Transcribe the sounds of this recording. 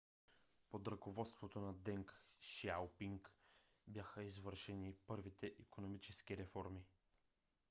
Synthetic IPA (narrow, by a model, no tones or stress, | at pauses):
pod̪ɾəkovɔt̪st̪vot̪onɐd̪ɛŋkʃawpiŋk | bjaxəizvɤɾʃɛnipɤɾvit̪ɛʔikonomit͡ʃɛskiɾɛfɔɾmi